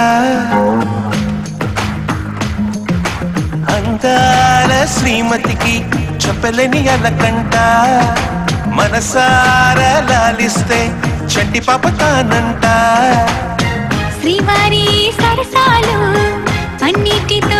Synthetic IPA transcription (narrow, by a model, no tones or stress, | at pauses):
ɐnd̪aːlɐʃɾiːmɐt̪ikit͡ʃɐpːelenijɐlɐkɐɳʈaː | mɐnɐsaːɾɐlaːlist̪e | t͡ʃʰɐʈːipaːpɐt̪aːnɐɳʈaː | sɾiːmaːɾisɐɾɐsaːlu | ɐnːiʈːit̪